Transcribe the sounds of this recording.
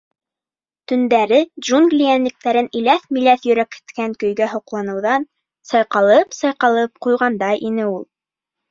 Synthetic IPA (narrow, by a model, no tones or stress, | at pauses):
t̪ɵ̆nd̪æɾɘd̪ʒuŋɡlʲijænlɘ̆k̚t̪æɾɘnilæθmilæθjɵ̆ɾækhɘ̥̆t̪kæŋkɵ̆jɡæɦŏqlˠɑnɤ̆wðɑn | sɑjqɑlˠɤpsɑjqɑlˠɤp̚qujʁɑnd̪ɑjʔinɘulˠ